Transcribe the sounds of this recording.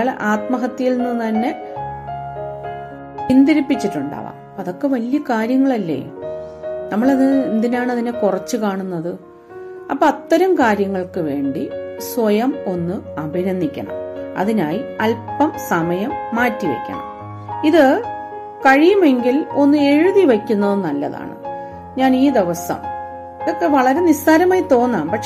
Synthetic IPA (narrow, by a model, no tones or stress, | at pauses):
ɭʔaːt̪mɐɦɐt̪ːijilnːɨt̪ɐnːe̞ | ind̪ɐɾipːit͡ɕːiʈːuɳɖa̰ːʋa̰ːm | ɐðo̞kːe̞ʋɐljɐkaːɾjɐŋːɐɭɐlːḛː | nɐmːɐɭɐðɨind̪inaːɳɐðinekurɐt͡ɕːɨkaːɳunːɐðɨ | ɐpːoɐt̪ːɐɾɐmkaːɾjɐŋːɐɭkɨʋe̞ːɳɖisʋɐjɐmo̞nːɨɐbʱinɐnːikʲːɐ̰ɳɐ̰mɐ̰ðinaːjiɐlpɐmsɐmɐjɐmːaːtːiʋɐ̰kʲːɐ̰ɳɐ̰m | iðɨ | kɐɻijume̞ŋɡilo̞nːɨe̞ɻuðiʋɐkʲːunːɐðɨnɐlːɐ̰ða̰ːɳɨ̰ | ɲaːniːd̪e̞ʋɐsɐ̰m | okːeʋɐɭɐɾe̞nisaːɾɐmaːjt̪o̞ːnːaːmpɐkʂ